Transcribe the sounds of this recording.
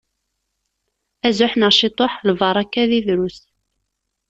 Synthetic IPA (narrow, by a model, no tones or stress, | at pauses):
æzʊħnəʁʃit̪ˤoħlvɑɾˤɑkːæðiðɾus